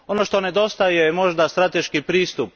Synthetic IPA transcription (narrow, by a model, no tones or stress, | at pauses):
o̞noʃt̪o̞ne̞d̪o̞st̪ajemo̞ʒd̪ast̪ɾat̪e̞ʃkipɾiːst̪up̚